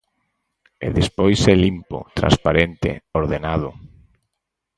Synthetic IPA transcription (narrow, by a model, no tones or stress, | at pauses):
ḛðespojsɛlimpʊ̰t̪ɾã̰nspaɾent̪ɪ̰oɾðenaðʊ